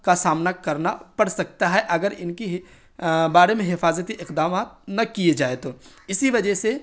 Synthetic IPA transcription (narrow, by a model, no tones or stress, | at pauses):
kasaːmnakɐɾnapɐɽsɐk̚t̪aɦɛʔɐɡəɾɪnkiɦ | baːɾemẽɦɪfaːzət̪iʔɪqd̪aːmaːt̪̚nɐkied͡ʒaːet̪oːɪsiʋɐd͡ʒəɦse